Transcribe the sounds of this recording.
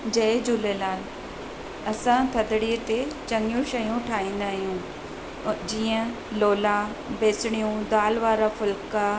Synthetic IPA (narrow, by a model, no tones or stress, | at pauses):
d͡ʑɐɪd͡ʑʊlelaːnɪ̆ | ɐsãt̪ʰɐd̪ɪɽiət̪et͡ɕɐŋjũʃɐjũʈʰaːĩːn̆d̪aːɦijũ | d͡ʑiːə̃ | loːla | beːsɪɽ̃ijũd̪aːlʋaːɾafʊlka